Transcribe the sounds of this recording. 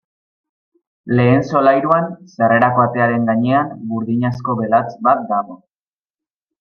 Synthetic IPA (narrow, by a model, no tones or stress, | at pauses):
le̞ːnso̞lajɾuansare̞ɾako̞at̪e̞aɾe̞ŋɡaɲe̞ambuɾðiɲasko̞βe̞lat͡sbat̪̚d̪aɣo̞